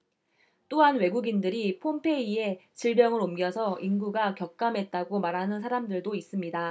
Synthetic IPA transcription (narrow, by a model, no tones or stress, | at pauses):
t͈oɦanwe̞ɡuɡindɯɾipʰompʰe̞ie̞t͡ɕiɭbjʌŋɯɾomɡjʌsʰʌinɡuɡakjʌk̚k͈amɦe̞t̚t͈aɡomaɾɦanɯnsʰaɾamdɯɭdois͈ɯmɲida